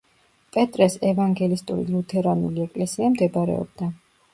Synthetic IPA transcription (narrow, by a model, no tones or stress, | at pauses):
pʼɛt̪ʼɾɛsɛvaŋɡɛlist̪ʼṵɾḭlut̪ʰɛɾanuliɛkʼlɛsiamd̪ɛbaɾɛ̰ɔ̰b̚d̪a